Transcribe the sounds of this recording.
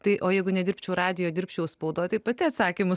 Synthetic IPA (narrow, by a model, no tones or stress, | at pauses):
t̪ɐɪʔoːjɛɪɡʊnʲɛd̪ʲɪɾʲpʲt͡ʃʲɛʊɾɑːd̪ʲɪjoːd̪ʲɪɾʲpʲt͡ʃʲɛʊspɐʊd̪oːjt̪ɐɪpɐt̪ʲɪɐt̪sɑːkʲiːmʊ